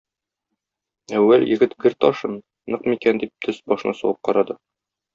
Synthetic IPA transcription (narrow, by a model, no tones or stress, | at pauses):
æwːæljɘ̆ɡɘt̪ɡɘɾt̪ɒʃɤn | nːɤqmikænd̪ip̚t̪ʰɵsbɒʃɤ̆nɑsɒwˠɤp̚qɒɾɑd̪ɤ